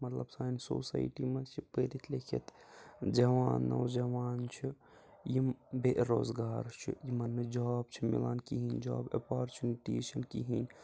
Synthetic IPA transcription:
mɐt̪lɐbsaːnso̰sa̰jʈimɐt͡ʃʰipəɾit̪ʰlekʰḭt̪d͡ʒɐʋaːnːɐ̰wd͡ʒɐʋaːnt͡ʃʰi | jibeɾoːzɡaːɾt͡ʃʰḭjimɐnːed͡ʒɔːb̚t͡ʃʰimḭlaːnkiɦinʲd͡ʒɔːbɐpaɾt͡ʃuniʈiːʃɐnkiɦin

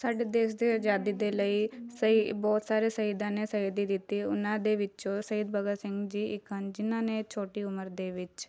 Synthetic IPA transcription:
saːɖed̪eːʃd̪ed͡ʒaːd̪id̪eləisəibɔːt̪saːɾesɐid̪ãnesɐid̪id̪ɪt̪iʊnãd̪eʋɪt͡ʃosɐid̪bʱɐɡasɪ̃ŋɡd͡ʒiːɪkənd͡ʒɪnãːnet͡ʃʰoːʈiʊməɾd̪eʋɪt͡ʃ

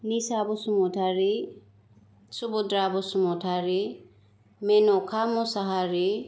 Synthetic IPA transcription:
nisabɔsumɔtʰaɾi | subud̪ɾabɔsumɔtʰaɾi | mɛnɔkʰamɔsaɦaɾi

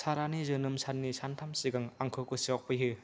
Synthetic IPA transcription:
saɾanizɯnɯmsanːisantʰamsiɡaŋaŋkʰɯkɯsiɔk̚pɯjɦɯ

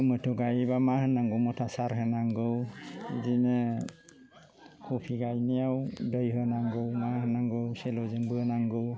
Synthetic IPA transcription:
mɯtʰɔɡajibamahɯnaŋɡɯwmɔtʰasaɾɦɯnaŋɡɯwḭzine | hɔpʰiɡajnijawdəjɦɯnaŋɡɯwmahɯnaŋɡɯwselɔzɯŋbɯnaŋɡɯw

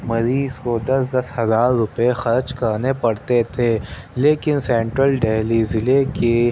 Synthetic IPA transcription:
mɐɾiːzkod̪ɐsd̪ɐshɐzaːɾːʊpexɐɾd͡ʒkɐɾnepɐɽt̪et̪ʰeːleːkɪnsɛ̃ːɳʈɾəlɖeːlizɪleke

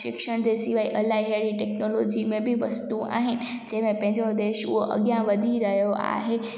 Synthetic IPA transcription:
ʃɪkʃəɽ̃d͡ʑesɪʋaːiʔɐlaːiɦeɽiʈeːknoloːd͡ʑimẽbʱiʋɐst̪ua̰ːɦɪnɪ̆ | d͡ʑɐ̃ɦɪ̃mẽpɐ̃ɦɪ̃ɲd͡ʑod̪eːʃʊ̰ɦoʔɐ̰ɡjãʋɐd̪ʱiɾɐɦjoʔa̰ːɦe

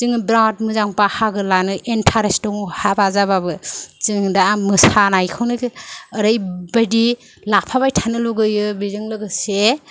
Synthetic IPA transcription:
t͡ʃɯŋɯbɾat̚mɯzaŋpahaɡɯlanɯʔentʰaɾestɔŋhabazababɯt͡ʃɯŋdamɯsanajkʰɯwnɯkəɾɯjbajdi | lapʰaβajtʰanɯluɡɯjɯbizɯŋlɯɡɯse

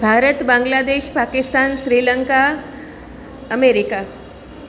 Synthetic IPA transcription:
bʱaːɾət̪bãŋɡlaːd̪eːʃpaːkɪst̪aːnʃɾiːləŋka | əmeɾika

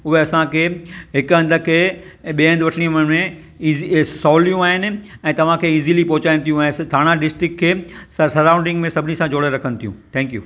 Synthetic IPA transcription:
ʊɦeɐsãkʰeːɦɪkʊɐ̃nd̪əkʰeː | ɓiə̃nd̪ʋɐʈʰəɽ̃iʊmənmẽ | iːzisɔːlijũaːɦɪnɪ̆ɛ̃ːt̪ɐʋ̤ãkʰeːiːzilipɔɦʊt͡ɕaːɪnɪ̃̆t̪ʰijũɛ̃ːd̪ʱaːɽ̃aɖɪsʈɾɪkʰːeːsɐɾãːʊ̃ɳɖɪ̃ŋɡmẽsɐbʱɪnisãd͡ʑoːɽeɾɐkʰənɪ̆t̪ʰijũt̪ʰɛ̃ːŋkjṵː

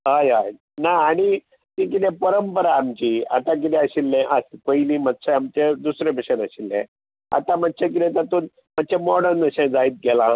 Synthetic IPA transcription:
ɦajɦaj | naːɽ̃i | t̪ĩk̬it̪ɛ̃pəɾəmpəɾaːmt͡ɕiːat̪ãk̬it̪ɛ̃əɕilːɛ̃ʔəskəiliːmət̪ːɕʰẽamt͡ɕed̪usɾebiɕənəɕilːɛ̰̃ | a̰t̪ãmət͡ɕẽk̬it̪ɛ̃t̪at̪o | mət̪̚ːt͡ɕẽmɔɽəɾnəɕẽd͡zait̪̚ɡʱɛlã

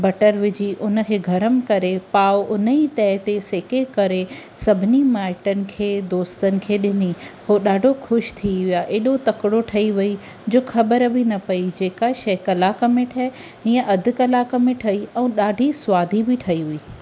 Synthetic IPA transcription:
bɐʈəɾʋɪd͡ʑiʔʊnəkʰeːɡʱɐɾəmɪkɐɾepaːʔʊnəit̪ɛːt̪eseːkekɐɾe | sɐbʱɪnimaːɪʈənɪ̆kʰeːd̪oːst̪ənɪ̆kʰeːɗɪnihoːɗaːɖʱoxʊʃt̪ʰiʋɪjaʔeːɗot̪ɐkɽoʈʰɐiʋɐi | d͡ʑoːxʰɐbəɾbʱɪnɐpɐid͡ʑeːkaʃɐɦkɐlakɐmɪʈʰɛː | ĩːə̃ʔɐd̪ʱʊ̆kɐlaːkɐmɪ̃ʈʰɐiɛ̃ːɗaːɖʱisʊwaːd̪ʱibʱɪʈʰɐiɦʊiː

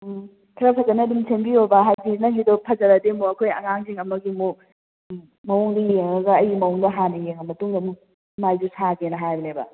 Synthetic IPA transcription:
tʰɐɾɐpʰɐzɐnɐdumsʰembiobɐɦajzinɐŋɡidɔpʰɐzɐɾɐdemuɐkʰojɐ̰ŋaŋziŋɐmɐɡimu | mɐoŋdijeŋɐɡɐːjimɐoŋdɐɦanɐjeŋɐmɐtuŋdɐmu | majzusaɡenɐɦajbɐnebɐ̰

